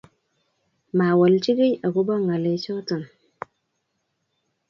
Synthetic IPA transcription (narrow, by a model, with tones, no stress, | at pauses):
ma˨wa˨lt͡ʃi˦ɡi˦ja˨ku˦ba˦ŋa˨le˨˦t͡ʃo˦tu˨n